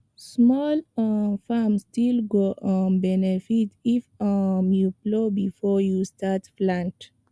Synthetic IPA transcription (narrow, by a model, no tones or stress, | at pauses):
smɔlfamstilɡoʔɔ̃nbɛnefitifmjuplobifɔjustatflãnt